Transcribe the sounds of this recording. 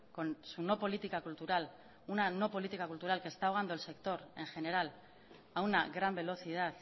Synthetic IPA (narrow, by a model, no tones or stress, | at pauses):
konsuno̞po̞lit̪ikakult̪uɾal | unanopo̞lit̪ikakult̪uɾalkest̪aoɣ̞and̪oe̞lse̞kt̪o̞ɾe̞ŋxe̞ne̞ɾal | awnaɣɾambe̞lo̞θið̞aθ